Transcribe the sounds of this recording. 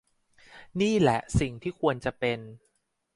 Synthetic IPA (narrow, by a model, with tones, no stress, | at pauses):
niː˥˩lɛ̰˨˩˦ʔsi˨˩ŋt̪ʰiː˥˩kʰu˧ənt͡ɕa˨˩pe˧n